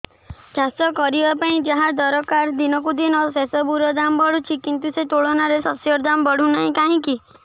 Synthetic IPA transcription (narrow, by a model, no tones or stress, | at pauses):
d͡ʒãst̪ɔkɔɾibapaĩd͡ʒaɦãd̪ɔɾɔkaɾd̪inɔk̬ud̪inɔsesɔbuɾɔd̪ambɔɽut͡ʃʰikint̪uset̪oɭɔnaɾesɔsjɔɾd̪ambɔɽ̤ũnaɦĩkaɦĩki